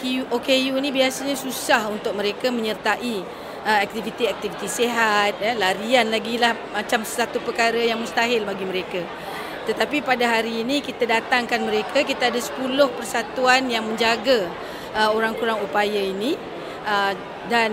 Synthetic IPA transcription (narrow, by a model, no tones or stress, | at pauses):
kuʔokejunĩbiasaɲãsusahunt̪ʊk̚məɾekamə̃ɲərt̪aʔi | əɛk̚t̪ivit̪iɛk̚t̪ivit̪iseɦat̪̚jalaɾianlaɡilahmat͡ʃamssat̪upəkaɾəjaŋmust̪aɦɪlbaɡiməɾeka | t̪ət̪apipadaɦaɾiːnĩkit̪adat̪aŋkanməɾekʰakit̪aadasə̥pulʊhpərsat̪uanjaŋmə̃ɲd͡ʒaɡa | əoɾaŋkuɾaŋupajaini | ə | dan